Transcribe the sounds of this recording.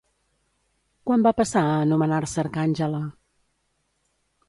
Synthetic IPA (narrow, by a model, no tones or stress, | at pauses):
kwambapəsaəːnumənarsəɾkanʲʒələ